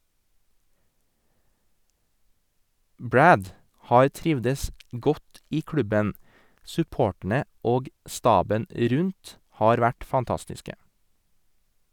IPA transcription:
ˈbɹæd ˈhɑːɾ ˈtɾɪʋdəs ˈɡɔt ˈiː ˈkɹʉbən sʉˈpoːʈɳ̩ə ˈoːɡ ˈstɑːbən ˈɾʉnt ˈhɑːɾ ˈʋæʈ fɑnˈtɑstɪskə

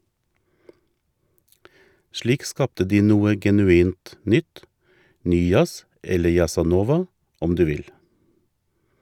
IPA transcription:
ˈʃliːk ˈskɑptə ˈdiː ˈnuːə ɡɛnʉˈiːnt ˈnʏt ˈnyː ˈjɑs ˈɛlə jɑsɑˈnoːʋɑ ˈɔm ˈdʉː ˈʋɪl

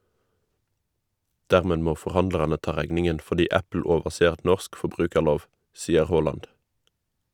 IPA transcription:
ˈdæːʁmeː ˈmoː fɔʁˈhɑndlɑʁɑnə ˈtɑː ˈʁæɡnɪŋən fɔʁˈdiː ˈæpl̩ ˈoːʋəseːʁ ˈnɔsk fɔˈbʁʉːkəʁˌloːʋ ˈsiːəʁ ˈhoːlɑnd

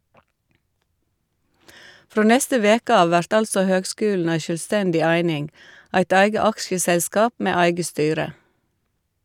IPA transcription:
ˈfɾoː ˈnɛstə ˈʋeːkə ˈɑːʋ ˈʋæɾt ˈɑlsɔ ˈhøːɡˌskʉːln̩ ˈæɪ ʃœlˈstɛndɪ ˈæɪnɪŋ ˈæɪt ˈæɪɡə ˈɑkʃəˌsɛskɑːp ˈmeː ˈæɪɡə ˈstyːɾə

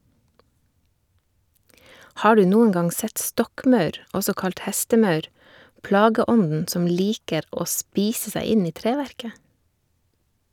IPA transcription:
ˈhɑː ˈɖʉː ˈnuːəŋ ˈɡɑŋ ˈsɛt ˈstɔkˌmɑʉɾ ˈɔsɔ ˈkɑlt ˈhɛstəˌmɑʉɾ ˈplɑːɡəˌɔndn̩ ˈsɔm ˈliːkəɾ ˈoː ˈspiːsə ˈsæɪ ˈɪn ˈiː ˈtɾeːʋæɾkə

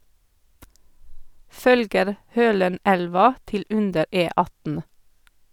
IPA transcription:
ˈfœlɡəɾ ˈhøːləˌnælʋɑ ˈtɪl ˈʔʉndəɾ ˌʔeːˈɑtn̩

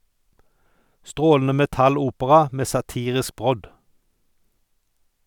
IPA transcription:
ˈstʁoːln̩ə ˌmɛˈtɑˌluːpəʁɑ ˈmeː sɑˈtiːʁɪsk ˈbʁɔd

